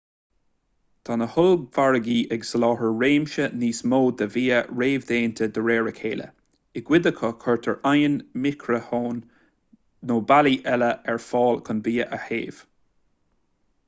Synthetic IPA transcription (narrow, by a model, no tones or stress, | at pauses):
d̪̥ʰanəhʊlvaɹəɡiːʔɛɡsəlɑːɦəɹɹeːmʃəniːsmoːd̪əviːəɹeːvd̪eːnt̪ʰəd̪əɹeːɹəkʰeːlə̰ | ɪɡ̥wɪd̪əkʰəkʰɔɹt̪ʰəɹʔajənmɪkʰɹəhoːnː | oːbaliʔɛləɛɹfɔːlkʰənviːəʔəhḛːv̥